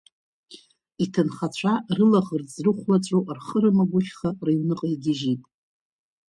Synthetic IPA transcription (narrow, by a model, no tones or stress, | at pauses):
itʰɨnχat͡ɕʷʰarɨlaʁɨrd͡zrɨχʷlat͡sʷʼuʔrχəɾɨmaɡʷʊχʲχarejwnɨqʼajɡʲɪʒitʼ